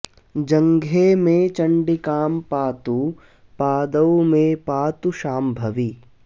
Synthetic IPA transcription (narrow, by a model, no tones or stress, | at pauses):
d͡ʒɐ̃ŋɡʱemẽt͡ʃɐ̃ɳɖikaːmpaːt̪u | paːd̪əwmẽpaːt̪uʃaːmbʱɐʋiː